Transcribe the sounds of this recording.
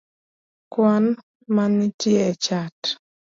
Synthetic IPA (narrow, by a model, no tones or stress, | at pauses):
kwan | manɪtɪɛt͡ʃat